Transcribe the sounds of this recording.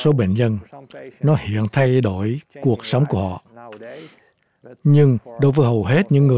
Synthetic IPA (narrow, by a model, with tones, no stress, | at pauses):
so˨˦ɓḛ˧˨nzə˧nnɔ˨˦hḭ˧˨ənt̪ʰa˧jɗo̰˧˩jku˨˩ək̚sə˨˦wŋ͡mku˧˩əhɔ̰˧˨ | ɲɨ˧ŋɗo˨˦jvəː˨˦jɦə˨˩wɦe˦˥t̚ɲɨ̰˧˥ŋːɨ˨˩